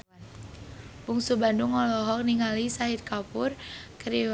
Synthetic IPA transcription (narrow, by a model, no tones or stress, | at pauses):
n | b̥uŋsubandʊŋːɔlɔɦɔk̚niŋalisaɦit̪̚kapʊrkəɾi